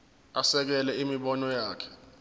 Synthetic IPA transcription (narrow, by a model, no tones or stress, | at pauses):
asɛk̬ɛlɛimiɓɔnɔjaːkʰɛ̥